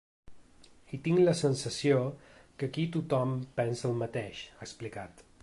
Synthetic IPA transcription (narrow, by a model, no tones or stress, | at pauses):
it̪iŋləsənsəsiokəkit̪ut̪ɔmpɛnsəːlˠmət̪eʃaəksplikat̪